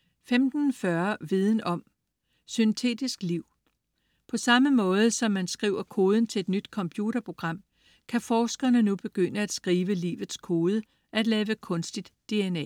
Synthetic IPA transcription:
femd̥n̩fɶɐʋið̞ˠn̩ɒ̽m | synt͡sʰe̝̰ːd̥isɡ̥liʊ̰ | pʰɒ̽sɑ̈məmɔ̽ːð̞ˠəsɒ̽mːænsɡ̥ʁiʊ̰ɐkʰo̝ːð̞ˠn̩t͡sʰe̝e̝d̥nyd̥kʰɒ̽mpʰjuɾ̥ɐpʰʁo̝ɡ̥ʁɑ̈m̰ | kʰæfɒːsɡ̥ɐnənub̥e̝ɡ̥øn̰əæd̥sɡ̥ʁiːʋəlḭːʋð̞̩ˠskʰo̝ːð̞ˠə | ʔæd̥lɛːʋəkʰɔ̽nsd̥id̥ːe̝enɛ̰

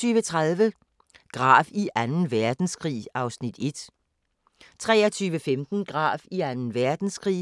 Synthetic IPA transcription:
yːʋət͡sʰʁaðˠʋə | ɡ̥ʁɑ̰̈ːʋiʔænn̩ʋæɐd̥n̩sɡ̥ʁḭːɑ̈ʊsnid̥e̝d̥ | t͡sʰʁɛ̰ːɐt͡sʰyːʋəfemd̥n̩ɡ̥ʁɑ̰̈ːʋiænn̩ʋæɐd̥n̩sɡ̥ʁḭː

